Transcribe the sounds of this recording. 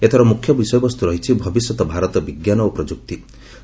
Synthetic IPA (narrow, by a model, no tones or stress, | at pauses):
et̪ʰɔɾɔmukʰjɔbisɔjɔbɔst̪uɾɔɦit͡ʃʰibʱɔbisjɔt̪ɔbʱaɾɔt̪ɔbiɡjanɔopɾɔd͡ʒuk̚t̪i